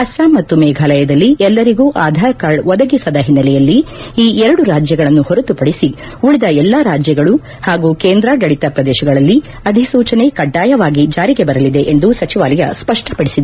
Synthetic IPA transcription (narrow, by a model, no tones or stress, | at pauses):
ɐsaːmɐt̪ːumɛːɡʱaːlɐjɐd̪ɐlːiʔɛlːɐɾiɡuːʔaːd̪ʱaːɾɐkaːɭʋɔd̪ɐɡisɐd̪ɐɦinːɐlɛjɐlːiiːɛɾɐɽuɾaːd͡ʒjɐɡɐɭɐnːuhɔɾɐt̪upɐɽisi | uɭid̪ɐɛlːaɾaːd͡ʒjɐɡɐɭu | haːɡuːkeːnd̪ɾaɡɐɭit̪ɐpɾɐd̪ɛːʃɐɡɐɭɐlːi | ɐd̪ʱisuːt͡ʃɐne̞kɐɖːaːjɐʋaːɡid͡ʒaːɾiɡe̞bɐɾɐlid̪e̞ʔend̪usɐt͡ʃiʋaːlɐjɐspɐʂʈɐ̥pɐɽisid̪e